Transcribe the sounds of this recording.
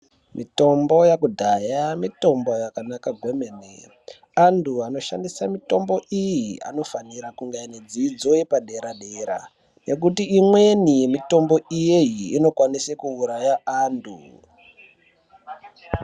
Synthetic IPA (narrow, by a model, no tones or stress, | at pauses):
mʔḭto̞mbo̞jakudʱajamito̞mbo̞jakanakaɡʱwe̞menḛ | anduano̞ʃa̰ndisamito̞mbo̞ʔijia̰no̞faniɾakuŋɡajaned͡ziːd͡zo̞jepaɗe̞ɾaɗeɾa̰ | ne̞k̬utiimwe̞nimito̞mbo̞ijejiːno̞kwanisekuːɾajaandʰṵ